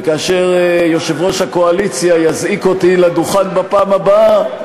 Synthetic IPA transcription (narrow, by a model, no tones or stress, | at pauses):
kaːʃeʁjo̞ʃevʁo̞ʃhakoalit͡sjajazikot̪iladuχanbapaːmaba